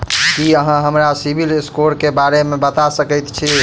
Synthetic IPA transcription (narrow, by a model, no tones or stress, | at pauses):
kiəɦãɦəmɾasibʱilskoɾkebaɾemebət̪asəkəjt̪t͡ʃʰi